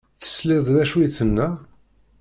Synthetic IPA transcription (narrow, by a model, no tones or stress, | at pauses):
θə̥slɪðˤðæʃujθənːæ